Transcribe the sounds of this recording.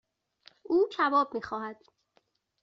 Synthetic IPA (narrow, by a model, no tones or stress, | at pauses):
ʔuːd͡ʒʰævɒːbmiːxɒːhæd̪̥